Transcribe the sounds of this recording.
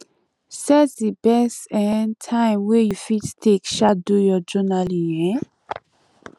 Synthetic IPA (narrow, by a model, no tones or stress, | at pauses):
sɛtðibɛstɛ̃ntʰãɪ̃mwɛjufittʰekʃadujɔd͡ʒɔnaliɛ̃